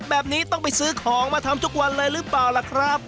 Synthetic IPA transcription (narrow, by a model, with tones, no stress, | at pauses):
bɛː˨˩p̚niː˦˥t̪ɔ˥˩ŋpa˧jsɯː˦˥kʰɔː˩˦ŋmaː˧t̪ʰa˧mt̪ʰu˦˥k̚wa˧nlɤː˧jɾɯː˦˥˩plaː˨˩wlɛ˨˩kʰɾa˦˥p̚